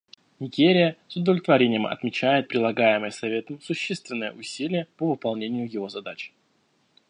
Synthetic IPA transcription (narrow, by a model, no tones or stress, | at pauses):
nʲɪɡʲeɾʲɪjəsʊd̪əvlʲɪt̪vɐɾʲenʲɪjəmɐ̰t̪mʲɪt͡ɕæjɪt̪̚pɾʲɪlˠɐɡajɪməjəsɐvʲe̞t̪əmsʊɕːe̞st̪vʲɪnːəjə̰ʔʊsʲilʲɪjəpəvɨpɐlˠnʲenʲɪjʊjɪvo̞zɐd̪at͡ɕɪ̥